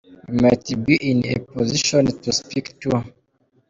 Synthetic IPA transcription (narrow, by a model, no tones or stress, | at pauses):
matbiʔĩnḛpɔziʃɔ̃ntuspiktu